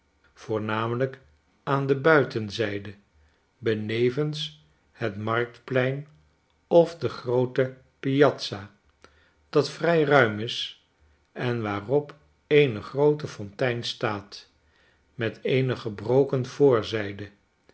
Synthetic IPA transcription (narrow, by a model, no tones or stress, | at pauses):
v̥ʊːɹnaːmələk | aːndəbœɥtənzɛjdə | bənejvəns | hətmɑrk̚tplɛjn | ɔfdəχrowtə | pijɑtsa | d̥ɑtfrɛjrœɥmɪs | ɛnʋaːrɔp | ejnəχrowtəfɔntɛjnstaːt | mɛtʰejnəχəbrowkənv̥ʊːɹzɛjdə